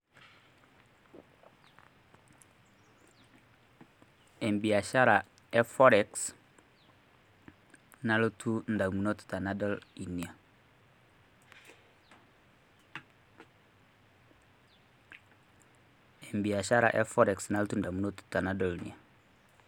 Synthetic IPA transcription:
e˨mbi˨a˨ʃa˦ɾa˨ | e˦fɔɾeks | na˦ltʰu˦nda˨mu˨no˦tu̥ta˨na˦do˦li˨ni˨a˨ | e˨mbi˨a˨ʃa˦ɾa̰˨ʔe˦fo˦ɾe˨ksna˦ltu˦nda˨mu˨no˦tu̥˨ta˨na˦do˦li˨nḭ˨a˨

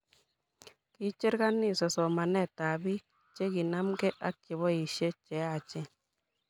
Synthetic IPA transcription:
ki˦t͡ʃe˦ɾka˦nɪ˦˨sɔ˨sɔ˨ma˨nɛ˦˨ta˨bi˦ | t͡ʃe˦ki˨na˦mɡɛ˦ʔa˦kːɪ˨βɔ˦i˨ʃe˦t͡ʃɛ˨˦a˦˨t͡ʃɛ˦

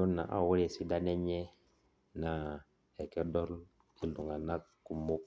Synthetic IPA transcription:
o˦na̰˨ʔa̰˦˨wu˦ɾe˨si˦da˦ne˦ɲe˦ | na˨ | e˨ke˦do˦l | i˦lu˨ŋa˨na˦kkːu˨mu˦k

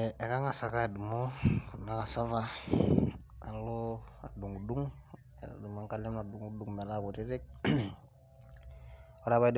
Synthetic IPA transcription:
ɛ˨ka˦ŋa˨sa˨ka˦ɛ˨du˨mɔku˨na˦ka˨sa˦va˦ | a̰˨lɔa̰˨du˨ŋu˨du˦ŋ̰ | du˨ma˨ŋka˦lɛ˦mna˨du˨ŋu˦duŋmɛ˨laku˨ti˦ɾɪ˦k̚ | ɔ˦ɾaβa˦id

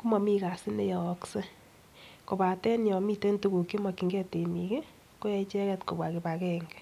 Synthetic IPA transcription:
ku˦mɔ˨mi˦ka˨si˦ne˦jɔ˨kse˦ | ko˨ba˨tɛ˦njɔ˨mi˦te˦ntu˦ku˨kji˦ma˨ki˨ŋɡɛ˦te˨mi˨ke˦ | ko˦jɛ˦i˦t͡ʃɛ˦kɛ˦tko̰˨bwa˨ki˨ba˨kɛ˦ŋɡɛ̥

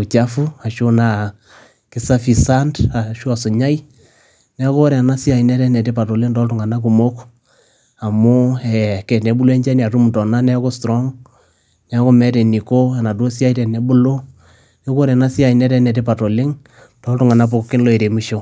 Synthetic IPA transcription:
t͡ʃa˦fu˦a˨ʃo˦na˨ | kɪ˦sa˦fi˨sa˦nda˨ʃu˦a˨sʊ˨ɲa˦ji˦ | nɛ˦ko˦ɾɛ˨na˦si˦a˨i˨nɛ˦tɛ˦nɛ˨te˦pa˨to˨lɪ˦ŋtɔ˦ltʊ˨ŋa˨na˦k̬u˨mo˦k | a˨mo˦ɛ˨kɛ˨nɛ˨bu˦lo˦ɛ˦ɲd͡ʒa˦ni˨a˨tu˦m˨tɔ˨na˦nɛ˦ɔ˦ko˦stɾɔ˦ŋ | nɛ˨˦ko˦mɛ˦tɛ˨ni˨ko˦ɛ˨na˨to˦si˦a˦i˦tɛ˨nɛ˦bu˦lo˦ | nɛ˦ko˦ɾɛ˨na˦si˦a˨i˨nɛ˦tɛ˦nɛ˨te˦pa˨to˨lɪ˦ŋ | tɔ˦ltʊ˦ŋa˨na˦p̬o˦kkːɪ˦nlo˦e˨ɾe˨mi˦ʃo˦

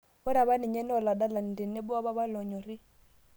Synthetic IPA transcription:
wɛ˦ɾa˨βa˦ni˨ɲɛ˦n˦ɔ˨la˨da˦la˨n˨de˨ne˦bu˦a˦βa˦βa˦lɔ˨ɲɔ˨ɾi˦

